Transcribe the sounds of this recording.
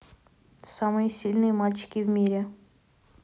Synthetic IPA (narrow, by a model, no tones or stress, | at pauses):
samɨjəsʲilʲnɨjəmalʲt͡ɕɪ̥kʲɪvmʲiɾʲɪ